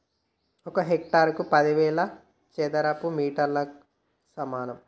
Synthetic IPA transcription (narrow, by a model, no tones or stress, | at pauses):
ɔkɐɦek̚ʈaːɾkupɐd̪iʋɛːɭɐ | t͡ʃed̪ɐɾɐpːumiːʈɐɾlɐ | sɐmaːnɐm